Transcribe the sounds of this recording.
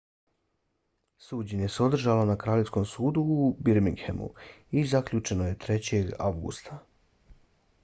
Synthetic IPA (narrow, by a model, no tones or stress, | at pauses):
suːd͡ʑeɲeseo̞d̪r̩ʒalonakɾaːʎe̞fsko̞msuːd̪uːbiɾmiŋhemṵizakʎut͡ʃe̞noje̞t̪ɾe̞t͡ɕe̞ɡa̰ʋɡṵst̪ʰa